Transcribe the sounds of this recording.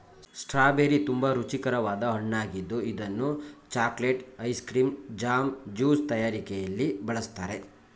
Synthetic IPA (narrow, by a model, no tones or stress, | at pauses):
ssʈɾaːbeːɾit̪umbɐɾut͡ʃikɐɾɐʋaːd̪ɐɦɐɳːaːɡid̪ːuid̪ɐnːut͡ʃaːkleʈɐjskɾiːmd͡ʒaːmd͡ʒuːst̪ɐjaːɾikɛjɐlːibɐɭɐst̪aːɾe̞